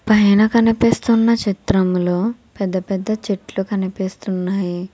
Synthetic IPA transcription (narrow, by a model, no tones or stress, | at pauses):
pɐjɐnɐkɐnipist̪unːɐt͡ʃit̪ɾɐmlo̞ː | pɛd̪ːɐpɛd̪ːɐt͡ʃeʈlukɐnipist̪unːaːji